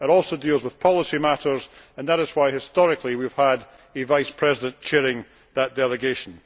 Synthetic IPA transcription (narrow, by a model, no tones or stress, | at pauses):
ɪɾɔlˠsodilˠzwɪð̥pʰɔlˠɪsimaʔə˞zə̃nðəɾɪz̥waɪhɪstɔɹɪkʰlˠiwiv̥əd | ɨvaɪspʰɹ̥ɛzɪdə̃nt͡ʃʰɛɹɪ̃ŋ | ðəʔd̥ɛlˠɪɡeʃə̃n̩